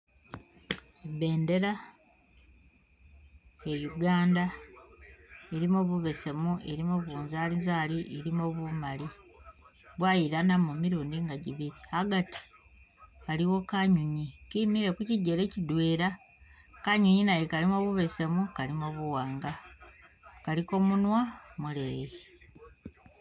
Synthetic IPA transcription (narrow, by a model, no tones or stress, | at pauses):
be̞ːnde̞ɾa | ejuɡaːnda | eɾimoβuβe̞se̞mueɾimoβuːnzaːlizaːliʔeɾimo̞βumali | βwajiɾanamumiɾuːndiŋɡaɟiβiɾihaɡati̥ | aliwo̞kaɲuɲikimiɾe̞kuciɟːeɾe̞cidwe̞ːɾa | kaɲuɲinajekalimo̞ːβuβe̞se̞mukalimoβuwaːŋɡa | kaliko̞munwamuleɣe